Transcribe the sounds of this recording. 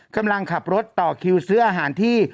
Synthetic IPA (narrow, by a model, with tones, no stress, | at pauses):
ka˧mla˧ŋkʰa˨˩p̚ɾo˦˥t̪ːɔː˨˩kʰi˧wsɯː˦˥ɐʔaː˧ɦaː˩˦nt̪ʰiː˥˩